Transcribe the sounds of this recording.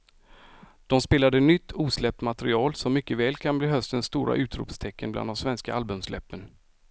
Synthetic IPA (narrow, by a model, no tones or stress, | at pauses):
d̪̥ɔmspeːlad̪ənʏt̪ʰːuːslɛp̚t̪mat̪ɾɪɑːlsɔmːʏkːəvɛːlkʰanbliːɦœst̪ənsːt̪uːɾʔa̰ʔʉ̟ːt̪ɾṵːpst̪ʰɛkːənbla̰nd̪ɔmsvɛnska̰ʔalbɵmslɛ̰pːən